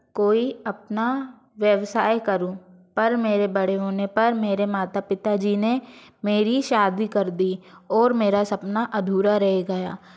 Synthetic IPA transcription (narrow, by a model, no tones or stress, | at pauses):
koːiɐp̚na | ʋjəʋsaːekɐɾũ | pɐɾmeːɾebɐɽ̤eɦoːnepɐɾmeːɾemaːt̪apɪt̪ad͡ʒiːnemeːɾiʃaːd̪ikɐɾd̪iːɔːɾmeːɾasɐpnaʔɐd̪ʱuːɾaɾɐɦeɡɐja̰ː